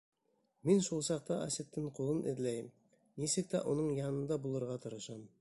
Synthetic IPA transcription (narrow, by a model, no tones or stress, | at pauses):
menʃulˠsɑq̚t̪ɑʔæ̰sɪt̪ːɪŋqʰolˠənʔḛd̪læj | nesɪk̚t̪æʔonəɴjɑnənd̪ɑbulˠɤɾʁɑt̪ʰɤɾəʃɑm